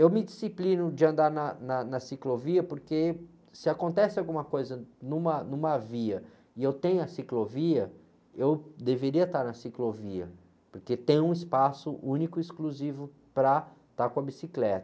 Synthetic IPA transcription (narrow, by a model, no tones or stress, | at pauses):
ewmɪd͡ʒisiplĩnʊd͡ʒɪɐ̃nd̪aɾnɐnɐnɐsikloviɐpoɾke | sɪakõnt̪ɛsɪawɡũmɐkojzɐnũmɐnũmɐviɐ | ɪewt̪ẽj̃ʊɐsikloviɐ | ewd̪eveɾiɐt̪aɾnɐsikloviɐ̰ | poɾket̪ẽj̃ũispasʊʔũnikʊiskluzivʊ | pɾɐ | t̪aɾkõɐbisiklɛt̪ɐ